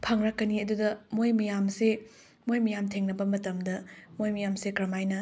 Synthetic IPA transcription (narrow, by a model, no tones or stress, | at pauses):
pʰɐŋɾɐkːɐniɐdudɐmojmɐjamse | mojmɐjamtʰeŋnɐbɐmɐtɐmdɐmojmɐjamsekɾɐmajnɐ